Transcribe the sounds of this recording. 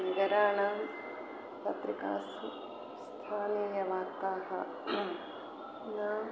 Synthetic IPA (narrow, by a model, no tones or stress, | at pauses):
nɐɡɐɾaːɳaːm | pɐt̪ɾika̰ːsu | st̪ʰaːneːjɐʋaːkt̪aːhɐ̰ | naː